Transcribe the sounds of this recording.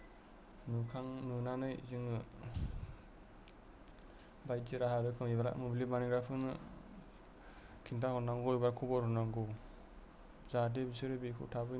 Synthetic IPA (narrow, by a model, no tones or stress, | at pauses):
nukʰaŋnunanɯjziŋɯ | bajtiɾaɦaɾɯkʰɯŋibaɾa̰mublimaniɡɾapʰɯnɯ̰ | kʰintʰahɔnaŋɡɔjbaɾkʰubɔɾhɔnaŋɡo | zad̬ebisɯɾɯbikʰɯ̰tʰabɯ